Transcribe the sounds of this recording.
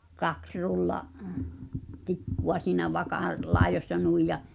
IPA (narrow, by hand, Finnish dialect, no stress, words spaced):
kɑks rulːɑʔ tikːuw̥ɑ siːnæ ʋɑkɑˑl̆ lɑi̞josʲsɑ nui jɑ